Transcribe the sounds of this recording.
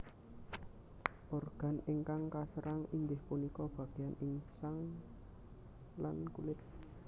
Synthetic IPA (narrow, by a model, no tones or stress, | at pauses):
ʔɔrɡ̥a̤neŋkaŋkasəɾʔaŋiŋɡɪhpunikɔb̥ä̤ɡ̥eaniŋsaŋ | lankulɪt̪̚